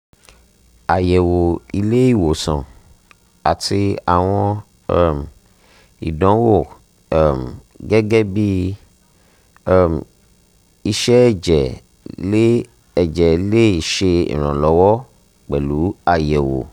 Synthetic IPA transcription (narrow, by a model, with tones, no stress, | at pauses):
a˨jɛ˨wo˨i˧le˦i˦˨wo˨sã̰˨ | a˨ti˧a˨w̃ɔ̃˧˦ | m | ḭ˨dɔ̃˨˦wo˦˨˦ | m | ɡɛ˦ɡɛ˦bi˦˨ | m | i˧ʃɛ˦˨d͡ʒɛ˨ | le˦ | ɛ˨d͡ʒɛ˨˦le˦i˨ʃe˧ḭ˨ɾ̃ɔ̰̃˨lɔ˨˦wɔ˦ | k͡pɛ˨lu˨˦a˨jɛ˨wo̰˨